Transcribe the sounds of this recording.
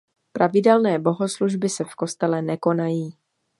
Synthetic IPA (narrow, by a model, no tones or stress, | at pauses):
pɾavɪdɛlnɛːbo̞ɦo̞sluʒbɪsɛfko̞st̪ɛlɛnɛko̞najiː